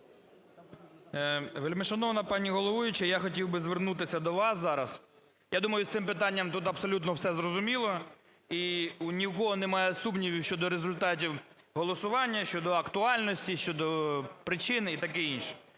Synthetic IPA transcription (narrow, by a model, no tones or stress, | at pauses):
ʋelʲmeʃɐnɔʋnɐpɑnʲiɦɔlˠɔʋujʊt͡ʃɐjaxɔtʲiwbɪzʋernut̪ɪsʲɐd̪ɔʋɑszɑɾɐs | jad̪umɐjʊssɪmpɪt̪ɑnʲːɐmt̪ut̪ɐbsɔlʲut̪nɔwsɛzɾɔzʊmʲilˠɔ | iunʲiwkɔɦɔnemɑjɛsumnʲiʋʲiʃt͡ʃɔd̪ɔɾezʊlʲt̪ɑt̬ʲiw | ɦɔlˠɔsʊʋɑnʲːɐʃt͡ʃɔd̪ɔɐkt̪ʊɑlʲnɔsʲtʲiʃt͡ʃɔd̪ɔpɾɪt͡ʃɪnit̪ɐkɪinʃɛ̥